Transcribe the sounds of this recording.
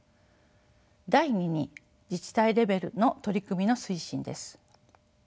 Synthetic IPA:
d̪aiɲ̟iɲ̟i | d͡ʑit͡ɕi̥t̪aiɾe̞be̞ɾɯ̟̰no̞t̪o̞ɾʲikɯmʲino̞sɨiɕĩnd̪e̞sɨ̥

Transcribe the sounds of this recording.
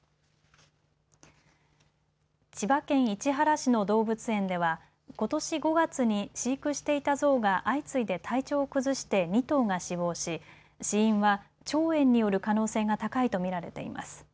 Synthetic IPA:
t͡ɕibakẽ̞ɰ̃it͡ɕiɦaɾaɕino̞d̪o̞ːbɯ̟t͡sɨẽ̞nd̪e̞β̞a | ko̞t̪o̞ɕiɡo̞ɡat͡sɨɲ̟iɕiːkɯ̟ɕi̥t̪e̞it̪azo̞ːɡaʔait͡sɨid̪e̞t̪ʰait͡ɕo̞ːkɯ̟zɨɕi̥t̪e̞ɲ̟ʲit̪o̞ːɡaɕiβo̞ːɕi | ɕiĩɰ̃βa | t͡ɕo̞ːẽ̞ɲ̟ːijo̞ɾɯ̟kano̞ːse̞ːɡat̪akait̪o̞mʲiɾaɾe̞t̪e̞̰ḭmʔa̰sɨ̥

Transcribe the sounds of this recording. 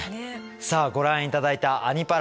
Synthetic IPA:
saːɡo̞ɾãɰ̃it̪ad̪ait̪aʔːɲ̟ipaɾ

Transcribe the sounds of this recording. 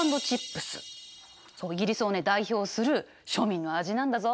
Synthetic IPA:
nd̪o̞t͡ɕipːɯ̟̥sɨ̰ | so̞ːiɡʲiɾʲisɨone̞d̪aiço̞ːsɨɾɯ̟ | ɕo̞mʲĩnːo̞aʑinãnd̪azo̞

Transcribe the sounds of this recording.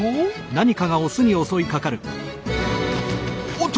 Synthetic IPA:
naɲ̟ikaɡao̞sɨɲ̟io̞so̞ikakaɾɯ̟ | t̪

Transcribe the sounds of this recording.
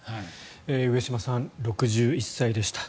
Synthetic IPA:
ha | eːɯe̞ɕimasãnɾo̞kɯ̟ʑɨːisːaid̪e̞ɕi̥t̪ḁ

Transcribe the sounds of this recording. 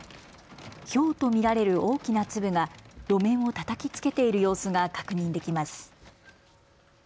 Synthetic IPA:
çʲo̞ːt̪o̞mʲiɾaɾe̞ɾɯ̟o̞ːkʲinat͡sɨbɯ̟ɡad̪̥o̞mẽ̞ɰ̃o̞t̪at̪akʲit͡sɨ̥ke̞t̪e̞iɾɯ̟jo̞ːsɨɡakḁkɯ̟ɲ̟ĩnd̪e̞kʲimasɨ̥

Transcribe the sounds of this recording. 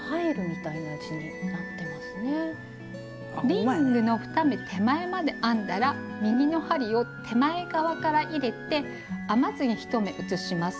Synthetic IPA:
haeɾɯ̟mʲit̪ainaɯt͡ɕiɲ̟inat̪ːe̞masɨne̞ | ɾʲĩŋɡɯ̟no̞ɸɯ̟̥t̪ame̞t̪ʰe̞mae̞mad̪e̞ʔãnd̪aɾa | mʲiɡʲino̞haɾʲio̞t̪ʰe̞mae̞ɡaβakaɾaʔiɾe̞t̪e̞ | amazɨɲ̟içi̥t̪o̞me̞ʔɯ̟t͡sɨɕimasɨ̥

